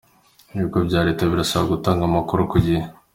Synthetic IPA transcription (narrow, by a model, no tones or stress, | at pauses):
iβikobɟaːɾetaβiɾasaβaɡutaːŋɡamakuɾokuɟihe